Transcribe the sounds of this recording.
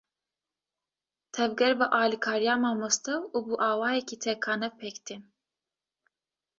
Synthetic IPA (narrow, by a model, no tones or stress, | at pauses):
t̪ʰɛvɡɛɾbɨʔɑːlikʰɑːɾijaːmɑːmust̪ɛwubuʔɑːwɑːjɛkiːt̪ʰɛkʰɑːnɛpʰɛkt̪in